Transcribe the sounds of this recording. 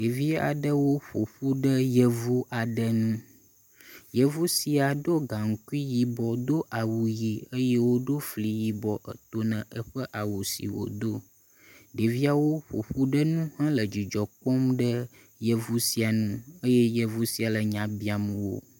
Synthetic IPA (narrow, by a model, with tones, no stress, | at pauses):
ɖe˨vi˦a̰˨ɖə˦wo˦ɸo̰˨ɸu˦ɖə˦jə˦vu˦ʔa˨ɖə˦nũ˦ | jə˦vu˦si˨a˨ɖo˦ɡa˨ŋ̩˦ku˦i˦ji˨bɔ˨d̪o˦ʔa˨wu˨ji˨ə˦je˦wo˦ɖo˦fli˨ji˨bɔ˨ʔə˨t̪o˦nə̃˨ʔə˦ɸə˦ʔa˨wu˨sḭ˨wo̰˨d̪o˦ | ɖe˨vi˦a˨wo˦ɸo̰˨ɸu˦ɖə˦nũ˦hã˦lə˨d͡ʑi˨d͡ʒɔ˨k͡pɔ˦mɖə˦ | jə˦vu˦si˨a˨nũ˦ə˦je˦jə˦vu˦si˨a˨lə˨ɲã˨bi˦a˨mə̃˨wo̰˦